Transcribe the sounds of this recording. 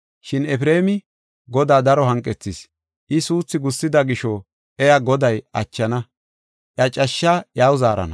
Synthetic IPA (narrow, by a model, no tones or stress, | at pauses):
ʃɪnɛpɾe̞ːmɪ | ɡɔd̪aːd̪ɐɾɔɦɐŋkʼːɛt͡sːɪs | ʔɪsuːt͡sːɪɡʊsːɪd̪ɐɡɪʃɔ | ʔɛjaɡɔd̪ɐjɐt͡ʃːɐnɐ | ʔjɐt͡ʃʼɐʃːajaːwzaːɾɐ̰nɐ̰